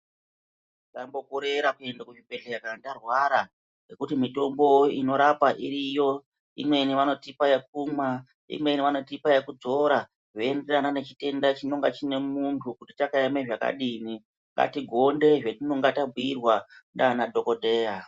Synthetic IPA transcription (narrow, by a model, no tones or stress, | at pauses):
dambo̞kuɾeɾakue̞ndakuʐibe̞ɬe̞kandarwaɾa | nekutimito̞mbo̞ino̞ɾapaʔiɾijo̞ | ḭmwe̞niʋano̞tipajek̚uma | ḭmwe̞niʋano̞tipajekud͡zo̞ɾa | ʐoenderanane̞t͡ʃite̞ndat͡ʃino̞ŋɡat͡ʃine̞muntʰukutitakaemeʐaka̰ɗini | ŋɡa̰tiɡʱo̞nde̞ʐetino̞ŋɡatabuirwandanadʱo̞ko̞dʱe̞ːja